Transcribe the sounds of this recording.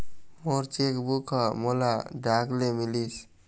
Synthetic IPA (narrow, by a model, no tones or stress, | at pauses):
moɾt͡ʃekbukʰamɔlaɖaklemilis